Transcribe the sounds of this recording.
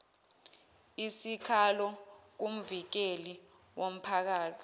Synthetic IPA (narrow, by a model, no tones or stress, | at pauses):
isikʰalɔk̬um̩vik̬eli | wʔom̩pʰak̬aːt͡sʰi̥